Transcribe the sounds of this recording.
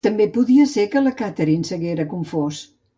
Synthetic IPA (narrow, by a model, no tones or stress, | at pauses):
t̪əmbepuðiəsekələkat̪əɾinsəɣeɾəkuɱfos